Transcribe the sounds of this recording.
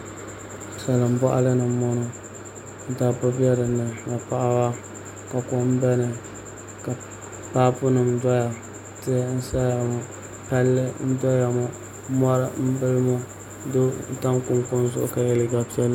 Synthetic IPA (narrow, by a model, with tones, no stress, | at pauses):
sa˨lɨ˨m̩˨˦bɔ˦ʔa̰˦lɨ˦nɨ˨˦mɔ˦nʊ˦ | da˦bʊ˦bi˦ɛ˦ɾɨ˨nɨ˨na˨pa˦ʔa˦wa˦ | ka˨kʊ˦m̩˦bɛ˦nɨ˨ | ka˨ | paː˦pʊ˦nɨ˨m̩˦dɔ˦ja˨ | tɪ˦ɛ˦n̩˦sa˦ja˨mʊ˨ | pa˦lːɨ˦n̩˦dɔ˦ja˨mʊ˦ | mɔ˦ɾɨ˦m̩˦bɨ˦lɨ˦mʊ˦ | do˦ta˦ŋkʊ˦ŋkʊ˦n˦zʊ̰˦ʔʊ̰˦ka˨jɛ˨lɨ˨ɡa˨pi˦ɛ˦l